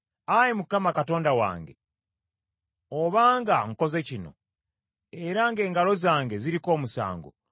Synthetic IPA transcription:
ajemukamakato̞ːndawa̰ːŋɡe̞̰ | oβaːŋɡaŋ̩ko̞ze̞cino̞̰ | e̞ɾaŋɡe̞ːŋɡalo̞zaːŋɡe̞ziɾiko̞ːmusa̰ːŋɡo̰

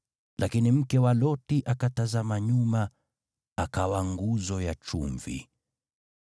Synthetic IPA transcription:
lʔakinim̩kɛwalɔtiʔakatazamaɲuma | akawaŋɡuzɔjat͡ʃṵɱvḭ

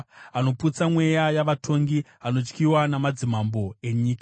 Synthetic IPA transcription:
ano̞put͡samwe̞jajaʋatʰo̞ŋɡi | ano̞t͡ʃkiwanamad͡zimambo̞e̞ɲiːkḁ

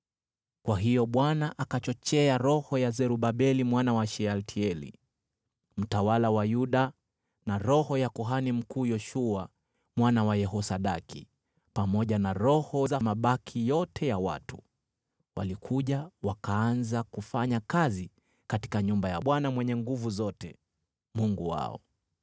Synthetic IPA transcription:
kwaɦijɔɓwanaʔakat͡ʃɔt͡ʃɛaɾɔhɔjazɛɾuɓaɓɛlimwanawaʃɛaltʰiɛlḭ | m̩tawalawajuɗa | naɾɔhɔjakɔɦanim̩kuːjɔʃua | mwanawajɛɦɔsaɗakʰḭ | pamɔʄanaɾɔhɔzamaɓakʰijɔtʰɛjawa̰tu̥ | wʔa̰likʰuʄawakaanzakufaɲakazi | kati̥kaɲumbaja̰ɓwanamwɛɲɛŋɡuvuzɔtɛ | muŋɡuwa̰ɔ̰

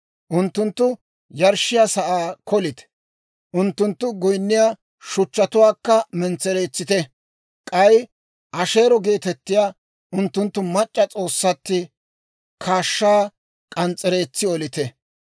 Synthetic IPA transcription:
ʔʊnt̪ːʊnt̪ːʊ | jɐɾʃɪjasɐʔaːkʰɔlɪt̪ | ʔʊnt̪ːʊnt̪ːʊɡɔjnːɪjaː | ʃʊt͡ʃːɐt̪ʊwaːkːɐmɛnt͡sːɛɾe̞ːt͡sːɪt̪ɛ | kʼɐj | ʔɐʃe̞ːɾɔɡe̞ːt̪ɛt̪ːɪjaː | ʔʊnt̪ːʊnt̪ːʊmɐt͡ʃʼːɐt͡sʼo̞ːsːɐt̪ːɪ | kʰaːʃːaː | kʼɐnt͡sʼːɛɾe̞ːt͡sːɪɔlɪt̪ɛ

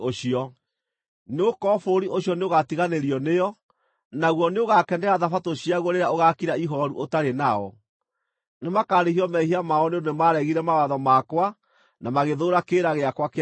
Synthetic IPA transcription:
oɕiɔ | nokɔfoɾiʔoɕjɔneoɣatiɣaneɾiɔnejɔ | naɣwɔneoɣakɛndɛɣaðafatoɕiaɣwɔɾeɾaoɣakiɾaiɦɔɾṵʔotaɾenaɔ | nemakaɾehiɔmɛhiamaɔneonemaɾɛɣiɾɛmawaðɔmakwa | namaɣeðoɾakeɾaɣeakwak

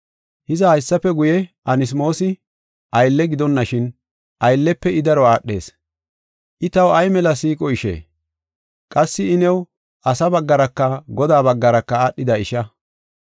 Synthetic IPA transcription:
hɪzɐhɐjsːɐpːɛɡʊjɛʔɐnɪs̬mo̞ːsɪ | ʔɐjlːɛɡɪd̪ɔnːɐʃɪn | ʔɐjlːɛpːɛɪd̪ɐɾɔaːɗːe̞̰ːs | ʔɪt̪ɐwɐjmɛlɐsiːkʼɔɪʃḛː | kʼɐsːɪɪnɛw | ʔɐsɐbɐɡːɐɾɐkːɐɡɔd̪aːbɐɡːɐɾɐkːɐaːɗːɪd̪ɐɪʃɐ

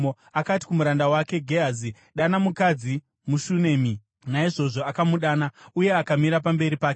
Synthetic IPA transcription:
o | akati̥kumuɾandawake̞ɡʱeɦazi | ɗanamukad͡zi | muʃune̞ːmi | naiʐo̞ʐo̞akamuɗaːnauje̞akamiɾapambe̞ɾipaːke

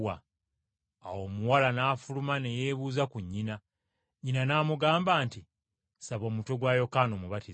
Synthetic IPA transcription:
a | awo̞ːmuwalanaːfulumane̞jeːβuːzakuɲːina | ɲinanaːmuɡaːmbaːnti | saβo̞ːmuto̞ɡwaːjo̞kaːno̞muβati

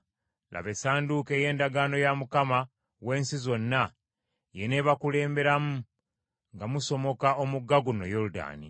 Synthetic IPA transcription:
lʔa̰βe̞saːnduke̞ːje̞ːndaɡano̞jamukama | we̞ːnsizo̞nːa | je̞neβakule̞ːmbe̞ɾamu | ŋɡamuso̞mo̞kao̞muɡːaɡuno̰joluda̰ːnḭ

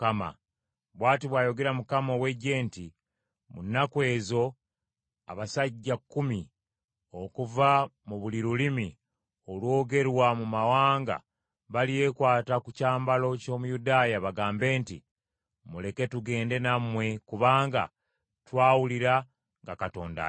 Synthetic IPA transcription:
kama̰ | βwaːtiβwaːjo̞ɡe̞ɾamukamowe̞ɟe̞ːnti | mṵnːakwe̞ːzo̞ | a̰βasaɟːakːumi | o̞kuvamuβuliɾulimi | olwo̞ːɡe̞ɾwamumawaːŋɡa̰ | βalije̞kwaːtakucaːmbalo̞co̞ːmujudaːjaβaɡaːmbe̞ːntḭ | mule̞ke̞tuɡe̞ːnde̞namwe̞kuβaːŋɡa̰ | twaːwuliɾa | ŋɡakato̞̰ːnda̰

